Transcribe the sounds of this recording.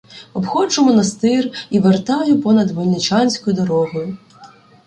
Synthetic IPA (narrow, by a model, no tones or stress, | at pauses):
ɔbxɔt͡ʃʊmɔnɐst̪ɪriʋert̪ɑjʊpɔnɐd̪ʋɔlʲnɪt͡ʃɑnʲsʲkɔjʊd̪ɔɾɔɦɔjʊ